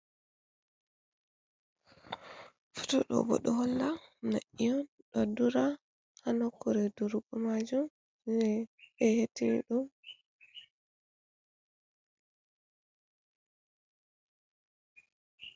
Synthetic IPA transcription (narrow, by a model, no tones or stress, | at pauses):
fu̥tɔɗɔ̰bɔ̰ɗɔhɔlːana̰ʔijɔn | ɗɔduɾa | hanɔkːuɾɛduɾuɡumad͡ʒum | ɛɛhetːinḭɗum